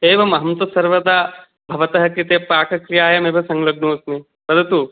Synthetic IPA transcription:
eːʋɐmɐɦɐmt̪ɐsɐɾʋɐd̪aː | bʱɐʋɐt̪ɐɦɐkɾit̪eːpaːkɐkɾijaːjɐmeːbʱɐsɐŋɡlɐɡ̚ɳoːsni | pɐd̪ʱɐt̪u

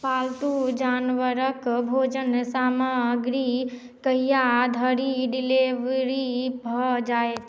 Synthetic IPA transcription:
palt̪ud͡ʒanʋəɾəkbʱod͡ʒənsamaɡɾi | kəjjad̪ʱəɾiɖileʋɾibʱɔd͡ʒaet̪ʰ

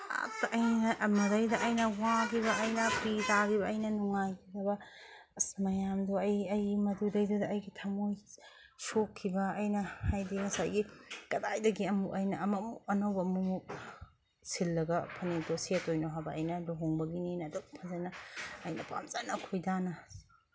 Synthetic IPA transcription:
a̰tɐʔɐjnɐʔmɐdɐjdɐʔɐjnɐwaɡibɐɐjnɐpitaɡibɐɐjnɐnuŋajkʰidɐbɐ | ɐsmɐjamdoɐjɐjmɐdudɐjdɐdɐːjɡitʰɐmoj | sokʰːibɐːjnɐhajdiŋɐsa̰jɡikɐdajdɐɡiɐmukɐjnɐːmɐmuɐnɐwbɐmumuk̚ | silːɐɡɐpʰɐnitosetojnoɦabɐɐ̰jnɐloɦoŋbɐɡininɐdɐwpʰɐzɐnɐɐjnɐpa̰mt͡ʃɐnɐkʰojdanɐ

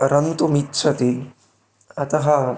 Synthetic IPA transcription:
ɾɐnt̪omitːt͡ʃʰɐt̪i | ɐt̪ɐɦɐ

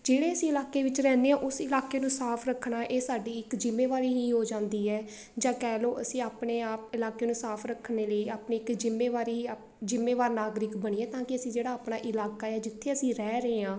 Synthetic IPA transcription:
d͡ʒeːɽeːəsĩːɪlaːkeːʋɪt͡ʃɾɛ̃ːneːãːʔʊsɪlaːkeːnũːsaːpʰɾəkʰnaːʔeːsaːɖiːɪkd͡ʒɪmːeːʋaːɾiːɦiːɦoːd͡ʒãːnd̪iːɦɛː | d͡ʒãːkɛːloːʔəsĩːaːpɳeːaːp̚ɪlaːkeːnũːsaːpʰɾəkʰːneːləiːaːpɳeːɪkd͡ʒɪmːeːʋaːɾiːaː | d͡ʒɪmːeːʋaːɾnaːɡɾɪkbəɽ̃iːɛːt̪ãːkɪəsĩːd͡ʒeːɽaːaːpɳaːʔɪlaːkaːɛːd͡ʒɪt̪ʰːeːəsĩːɾɛːɾəeːãː

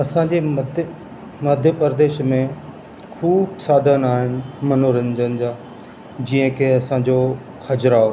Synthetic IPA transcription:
ɐsãd͡ʑeːɐd̪ʱ | mɐd̪ʱjəpəɾd̪eːʃmẽ | kʰuːbsaːd̪ʱənaːɦɪnɪ̆mɐnoːɾə̃nd͡ʑənɪd͡ʑaː | d͡ʑiːə̃kʰeɐsãd͡ʑo | kʰɐd͡ʑɾaːɦo

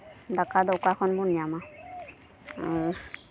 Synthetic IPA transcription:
dakadɔkakʰɔnbɔnijama

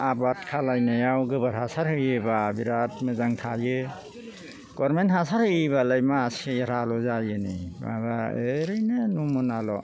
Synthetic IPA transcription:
abatkʰalajnajawɡɯbaɾhasaɾhɯjɯbabiɾatmɯzaŋtʰajɯ | ɡ̥ɔɾmenthasaɾhɯjbalajmaːsejaɾalɔzajɯniba̰baeɾɯjnenumɔnalɔ

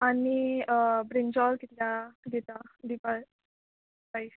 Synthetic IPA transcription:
anibɾind͡ʑɔlkit̪ljad̪it̪ad̪ipa | pais

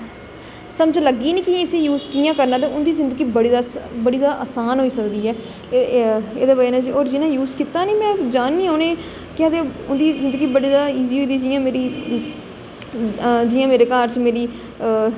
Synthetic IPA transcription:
səmd͡ʒləɡiːnĩːkiɪseːjuːzkiːjãːkəɾnaːt̪̬ẽːʊnd̪iːzɪ̃nd̪əɡiːbəɽiːd̪aːbəɽiːd̪aːʔaːsaːnɦoːiːsəkd̪iːɛː | eːd̪aːbaenãd͡ʒiːɔːɾd͡ʒɪnãːjuːzkɪt̪aːniːmɛ̃ːd͡ʒaːnːĩːaːneː | kɪ̃d̪eːʊnd̪iːzɪ̃nd̪əɡiːbəɽiːd̪aːiːziːoːd̪iːd͡ʒijãːmeːɾiː | d͡ʒɪjãːmeːɾeːkaːɾt͡ʃmeːɾiː

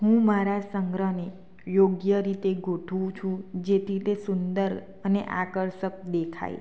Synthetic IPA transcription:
ɦũmaɾasəŋɡɾəne | joɡjəɾit̪eɡʱoʈʰʋũt͡ʃʰũd͡ʒet̪ʰit̪esund̪əɾ | əneʔakəɾʃək̚d̪ekʰa̰j̰

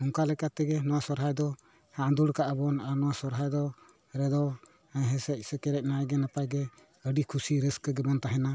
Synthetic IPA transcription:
ɔŋkalɛkat̪ɛɡɛnɔwasɔɾɦajd̪ɔ | hand̪uɽkaʔabɔnaɾnɔwasɔɾɦajd̪ɔ | ɾɛd̪ɔ | ɦɛsɛc̚səkɛɾɛc̚najɡɛnapajɡɛ | əɖikʰusiɾəskəɡɛbɔnt̪aɦɛna

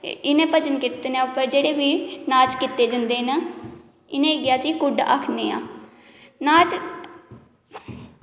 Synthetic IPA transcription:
ɪnẽːpət͡ʃənkɪt̪enapəɾd͡ʒeːɽeːʋiːnaːt͡ʃkɪt̪ːeːd͡ʒənd̪eːnaː | ɪnẽːɡɪjaːsiːkʊɖa̰ːkʰneːãː | naːt͡ʃ

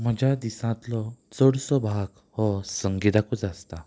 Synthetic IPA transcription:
m̤əd͡ʑjad̪isãt̪lɔt͡səɽsɔbʱaɡ | hɔsəŋɡit̪akut͡sast̪a

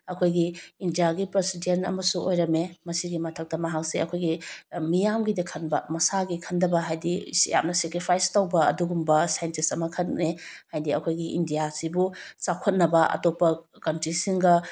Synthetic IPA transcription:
ɐkʰojɡiːndijaɡipɾesidenɐ̰mɐsuʔojɾɐmemɐsiɡimɐtʰɐk̚tɐmɐɦak̚seɐkʰojɡimijamɡidɐkʰɐnbɐmɐsaɡikʰɐndɐbɐɦajdija̰mnɐsekɾipʰajstawbɐɐ̰duɡumbɐsajntisɐmɐkʰɐtne | hajdiɐkʰojɡiʔḭndijasibut͡ʃakʰɐt̚nɐbɐɐ̰topːɐkɐntɾisiŋɡɐ

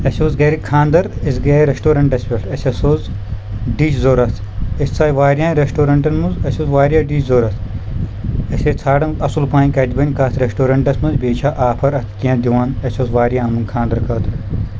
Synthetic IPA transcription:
ɐsʲoːzɡɐːɾikʰãːnd̪ɐɾisɡɐːiɾesʈoːɾɐɳʈɐsʲpʲeʈɐsʲɐsoːz | ɖiːt͡ʃzoːɾɐt̪ʰ | ɐsʲt͡saːjʋaːɾʲjãːɾesʈoːɾɐɳʈɐnmuzɐsʲoːzʋaːɾʲjaːɖiːt͡ʃzoːɾɐt̪ʰ | ɐsʲeːt͡sʰaːɽɐnɐsulpãːnʲkɐd̪ʲibɐnʲkɐːt̪ʰɾesʈoːɾɐɳʈɐsʲmɐnzbeːt͡ʃʰaːʔaːpʰɐɾɐt̪ʰkijãd̪iʋaːnɐsʲoːzʋaːɾijãːɐmunkʰãːnd̪ɐɾkʰɐːt̪ʰ

